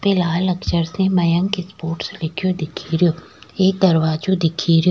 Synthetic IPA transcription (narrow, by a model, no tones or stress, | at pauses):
pelaːlɐkʃəɾsẽmɐjə̃ŋkespoːɾʈslɪkʰijod̪ɪkʰiːɾijoː | eːk̚d̪ɐɾʋaːd͡ʒod̪ɪkʰiːɾjo